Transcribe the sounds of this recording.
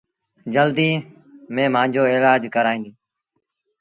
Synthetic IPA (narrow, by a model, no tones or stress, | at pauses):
d͡ʒəld̪iː | mẽːmãːnd͡ʒoːeːlaːd͡ʒkəɾaːĩːiː